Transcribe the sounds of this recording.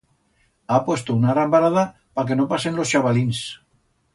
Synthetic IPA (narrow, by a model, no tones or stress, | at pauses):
apwe̞st̪ounaɣɾambaɾaða | pake̞nopase̞nlo̞sʃaβalins